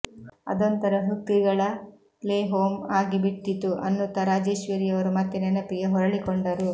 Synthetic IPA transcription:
ɐ̰d̪ɔnt̪ɐɾɐɦuk̚t̪ːiɡɐɭɐ | leːɦoːmaːɡibiʈ̪ːit̪ːuʔɐ̰nːut̪ɐɾaːd͡ʒeːʃʋɐɾiɐʋɐɾumɐt̪ːinɛnɐpiɡeɦɔɾɐɭikoɳɖɐɾu

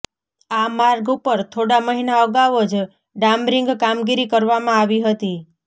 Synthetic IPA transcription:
amaɾɡupəɾt̪ʰoɽaməɦinaəɡaʋod͡ʒ | ɖamɾiŋɡkamɡiɾikəɾʋamãaʋiɦət̪i

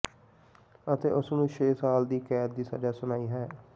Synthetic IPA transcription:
ət̪ḛːʔʊsnũːʃʰeːsaːld̪iːkɛːd̪̚d̪iːsa̰ːd͡ʒaːsʊnaːiːɦɛː

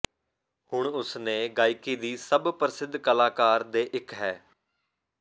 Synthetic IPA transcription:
hʊɳʊsnẽːɡaːikiːd̪iːsəbpəɾɪsɪd̪ʱːkəlaːkaːɾd̪eːʔɪkɦɛː

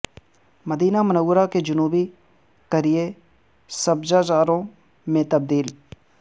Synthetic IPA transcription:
mɐd̪iːnamənəwɾaked͡ʒʊnuːbi | kɐɾije | sɐbd͡ʒaːd͡ʒaːɾõ | mẽt̪ɐb̚d̪iːl

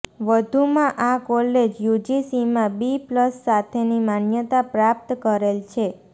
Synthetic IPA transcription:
ʋəd̪ʱumãʔakɔled͡ʒjud͡ʒisimãbipləsːat̪ʰenimanjət̪apɾap̚t̪kəɾelt͡ʃʰe

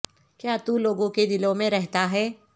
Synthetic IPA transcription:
kjaːt̪uloːɡõked̪ɪlõmẽɾɛɦt̪aɦɛː

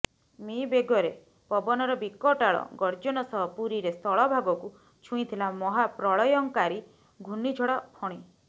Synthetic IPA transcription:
mibeɡɔɾe | pɔbɔnɔɾɔbikɔʈaɭɔ̰ɡɔɾd͡ʒɔnɔsɔɦɔpuɾiɾest̪ʰɔɭɔbʱaɡɔku | t͡ʃʰũit̪ʰilamɔɦapɾɔɭɔjɔŋkaɾi | ɡʱunid͡ʒʱɔɽɔpʰɔɽ̃i

